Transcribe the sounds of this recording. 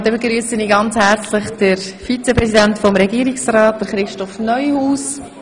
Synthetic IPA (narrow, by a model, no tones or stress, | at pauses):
d̥̪ɛbeɡɾyːsəniːɡɑnt͡shɛɾt͡slɪχd̥əɾfit͡sɛpɾɛzidɛntfɔmɾɛɡiːɾiksraːt̚d̥əɾχɾɪʃtɔfnœʏhuːs